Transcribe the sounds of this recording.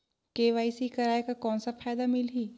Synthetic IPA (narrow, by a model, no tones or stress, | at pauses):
keːʋaːisikɐɾaːekakɔːnsafʰaːjd̪amɪlɦiː